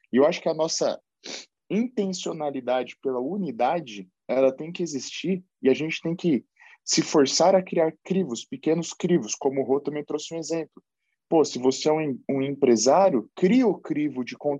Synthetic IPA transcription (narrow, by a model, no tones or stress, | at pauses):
ewaʃʊ̥kɪɐnɔsɐ̰ | ĩnt̪ẽsionalid̪ad͡ʒɪpelɐunid̪ad͡ʒɪ | ɛlɐt̪ẽj̃kɪezist͡ʃiɾ | ɪaʒẽnt͡ʃɪ̥t̪ẽj̃kɪ | sɪfoɾsaɾɐkɾiaɾkɾivʊspɪkẽnʊskɾivʊskõmʊɦot̪ɐ̃mẽj̃t̪ɾosɪũezẽmplʊ | posɪvoseɛũũẽpɾezaɾjʊkɾiɐʊkɾivʊd͡ʒɪkõ